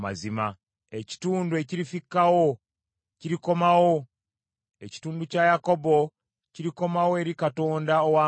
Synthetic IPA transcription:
ma̰zima | eci̥tuːndue̞ciɾifikːawo | ciɾiko̞mawo | eci̥tuːnducajako̞bo̞ | ciɾiko̞mawoe̞ɾikato̞ːndaowaː

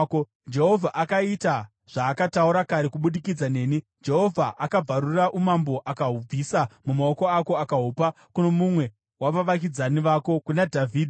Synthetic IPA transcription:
d͡ʒe̞ɦo̞vʱaʔakaita | ʐ̥aːkatauɾakaɾekuɓuɗikid͡zane̞ːni | d͡ʒe̞ɦo̞vʱaʔakab͡vʱaɾuraʔumambo̞ʔakaɦub͡visamumao̞ko̞ako̞akaɦopa | kuno̞mumwe̞ | waʋaʋak̬id͡zaniʋaːko̞kunadʱavʱiːdʱi

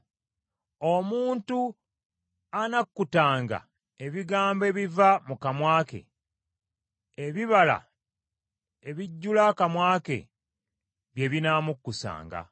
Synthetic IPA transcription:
o̞muːntu | anakːutaːŋɡa̰ | e̞βiɡaːmbe̞βivamukamwaːke̞̰ | eβiβala̰ | eβiɟːulakamwaːke̞̰ | βje̞βinaːmukːusa̰ːŋɡa̰

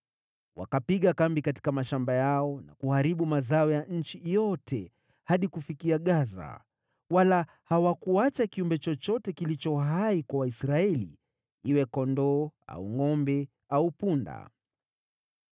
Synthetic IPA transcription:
wa̰kapiɠakambikati̥kamaʃambajaɔna̰kuhaɾiɓumazaɔjaɲ̩t͡ʃijɔtʰɛ | haɗikufikiaɠaza̰ | wala | hawakuat͡ʃakiumbɛt͡ʃɔt͡ʃɔtɛkilit͡ʃɔɦaikwawaisɾaɛlḭ | iwɛkɔndɔa̰uŋɔmbɛ | aupunda̰

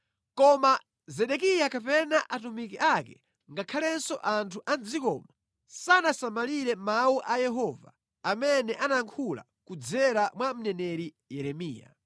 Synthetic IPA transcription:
kɔma | zɛɗɛk̬ijakapɛnaʔatumikiʔakɛ̰ | ŋɡakʰalɛnsɔʔantʰuʔand͡zikɔ̰ːma | sanasamaliɾɛmauʔajɛɦɔva̰ː | mɛnɛʔanaŋkʰula̰ | kud͡zɛɾamwam̩nɛnɛɾi | jɛɾɛmiːja̰

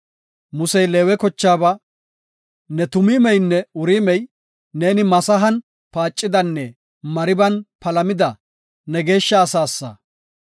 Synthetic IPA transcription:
mʊsɛjleːwɛkɔt͡ʃːaːbɐ | nɛt̪ʊmiːmɛjnːɛʊɾiːmɛj | ne̞ːnɪmɐsɐɦɐn | paːt͡ʃʼːɪd̪ɐnːɛ | mɐɾɪbɐnpɐlɐmɪd̪ɐ | nɛɡe̞ːʃːɐːsaːsːɐ̰

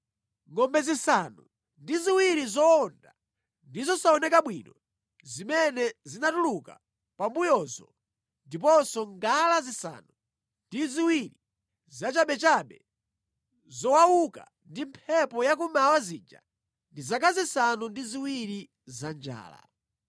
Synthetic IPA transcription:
ŋɔmbɛzisanṵ | ndiziwiɾizɔːnda | ndizɔsaɔnɛkaɓwinɔ | zimɛnɛzinatuluka̰ | pambujɔzɔ̰ | ndipɔsɔŋɡalazisa̰nu | ndiziwiɾi | zat͡ʃaɓɛt͡ʃaɓɛ̰ | zɔwawuka̰ | ndimpʰɛpɔjak̬umawaziːd͡ʒa̰ | ndizakazisanundiziwiɾi | zand͡ʒa̰ːla̰

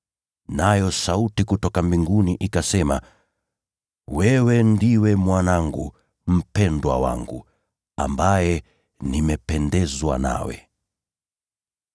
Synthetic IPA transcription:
najɔsautikutɔkambiŋɡuniʔikasɛma | wɛwɛndiwɛmwanaŋɡṵ | m̩pɛndwa̰wa̰ŋɡṵ | ambajɛ | nimɛpɛndɛzwa̰na̰wɛ̰

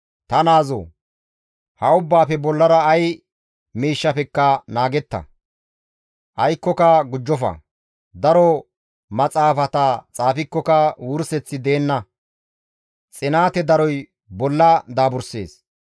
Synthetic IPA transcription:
t̪ɐnaːzo̰ː | hɐʊbːaːpɛbɔlːɐɾɐːj | miːʃːɐpɛkːɐnaːɡɛt̪ːɐ̰ | ʔɐjkːɔkɐɡʊd͡ʒːɔfɐ̰ | d̪ɐɾɔ | mɐt͡sʼaːfɐt̪ɐt͡sʼaːfɪkːɔkɐwʊɾsɛt͡sːɪd̪e̞ːnːɐ | t͡sʼɪnaːt̪ɛd̪ɐɾɔj | bɔlːɐd̪aːbʊɾse̞̰ːs

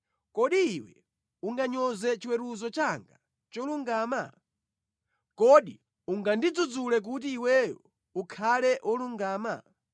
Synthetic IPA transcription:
kɔɗiːwɛ̰ | uŋɡaɲɔzɛt͡ʃiwɛɾuzɔt͡ʃaŋɡa | t͡ʃɔluŋɡaːma | kɔɗi | uŋɡandid͡zud͡zulɛk̬ut̬iːwɛjɔ̰ | ukʰalɛʔɔluŋɡaːma̰

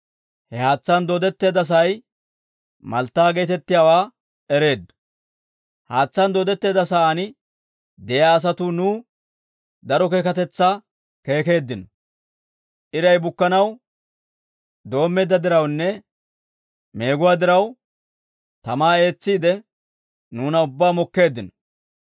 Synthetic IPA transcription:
hɛhaːt͡sːɐnd̪oːd̪ɛt̪ːe̞ːd̪ɐs̬ɐj | mɐlt̪ːaːɡeːt̪ɛt̪ːɪjaːwaː | ɛɾe̞ːd̪ːɐ̥ | haːt͡sːɐnd̪oːd̪ɛt̪ːe̞ːd̪ɐs̬aanɪ | d̪ɛjaːs̬ɐt̪ʊnuː | d̪ɐɾɔke̞ːkɐt̪ɛt͡sːɐ | ke̞ːke̞ːd̪ːɪnɔ | ʔɪɾɐjbʊkːɐnɐw | d̪o̞ːmːɛːd̪ːɐd̪ɪɾɐwnːɛ | me̞ːɡʊwaːd̪ɪɾɐw | t̪ɐmaːe̞ːt͡sːiːd̪ɛ | nuːnɐʊbːaːmɔkːe̞ːd̪ːɪnɔ

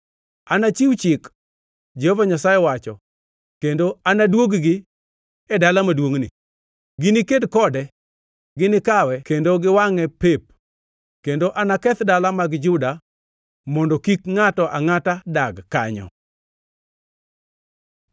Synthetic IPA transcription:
anat͡ʃiwt͡ʃɪk | d͡ʒɛhovaɲasajɛwat͡ʃɔ̰ | kendoanadwoɡɡɪ | ɛdalamadwoŋnɪ̰ | ɡɪnikedkɔdɛ | ɡɪnɪkawɛkendoɡɪwaŋɛpep̚ | kendoʔanakɛt̪dalamaɡd͡ʒʊda | mɔndɔkikŋatɔʔaŋatadaɡkaɲɔ̰

